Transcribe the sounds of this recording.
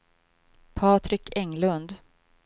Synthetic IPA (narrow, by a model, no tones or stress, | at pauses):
pʰɑːt̪ʰɾɪkʰɛŋlɵnd̪